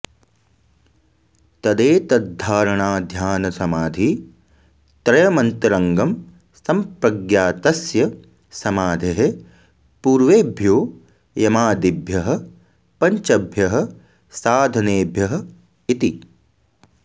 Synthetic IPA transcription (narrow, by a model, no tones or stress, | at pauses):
t̪ɐd̪eːt̪ɐd̪ʱːaːɾɐɳaːd̪ʱjaːnɐsɐmaːd̪ʱi | t̪ɾɐjɐmɐnt̪ɐɾɐŋɡɐm | sɐmpɾɐɡjaːt̪ɐsjɐ | sɐmaːd̪ʱeɦe | puːɾʋeːbʱjoː | jɐmaːd̪ibʱjɐɦɐ̆ | pɐɲt͡ʃɐbʱjɐɦɐ̆ | saːd̪ʱɐneːbʱjɐɦɐ̆ | it̪i